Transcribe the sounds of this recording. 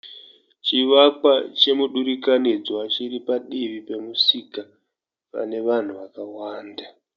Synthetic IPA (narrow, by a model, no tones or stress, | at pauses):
t͡ʃiʋakwat͡ʃe̞muɗuɾikanid͡zwat͡ʃiripaɗiʋipe̞musika | pa̰ne̞ʋan̤uʋakawaːnda